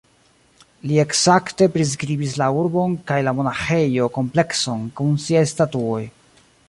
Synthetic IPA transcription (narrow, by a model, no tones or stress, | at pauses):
lie̞ksakte̞pɾis̬kɾibis̬lauɾbo̞nkajlamo̞naxe̞jo̞ko̞mple̞kso̞nkunsiajstatuo̞j